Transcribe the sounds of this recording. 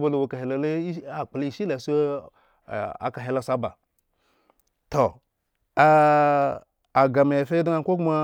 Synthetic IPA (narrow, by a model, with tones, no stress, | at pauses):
ba˦lo˨wo˨ka˨ɦe˨lo˨le˦a˨k͡pli˦˨ʃi˦la˨sʷ | a̰˨ka˨ɦe˨la˦˨sʷa˦ba̰˨ | to˨ | a˨ɡa˨ma˨je˨fe˦da˦a˨˦kʷo˦kma˦